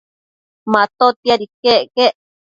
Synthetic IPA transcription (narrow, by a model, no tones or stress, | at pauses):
mãt̪ot̪jaɾikeʔkeʔ